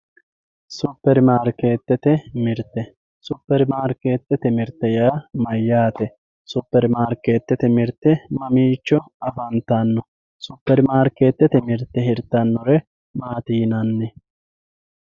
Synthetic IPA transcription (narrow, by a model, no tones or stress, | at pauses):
sʊpːɛɾmaːɾkːeːt̪ːɛt̪ɛmɪɾt̪ːɛ | sʊpːɛɾmaːɾkeːt̪ːɛt̪ɛmɪɾt̪ːɛjaːmɐjːaːt̪ɛ | sʊpːɛɾmaːɾkːeːt̪ːɛt̪ɛmɪɾt̪ːɛmɐmiːt͡ʃːɔ | ɐfɐnt̪ɐnːɔ | sʊpːɛɾmaːɾkeːt̪ːɛt̪ɛmɪɾt̪ːɛhɪɾt̪ːɐnːɔɾɛ | maːt̪iːnɐnːɛ